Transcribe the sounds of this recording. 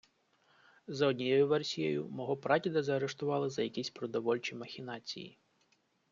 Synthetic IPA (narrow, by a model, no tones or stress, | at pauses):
zɔdʲnʲijɔjʊʋɛrsʲijɛ̰jʊ̰mɔɦɔpɾɑt̪ʲid̪ɐzɐːɾeʃt̪ʊʋɑlˠɪzɐjɐkʲisʲpɾɔd̪ɔʋɔlʲt͡ʃimɐxʲinɑt͡sʲḭjḭ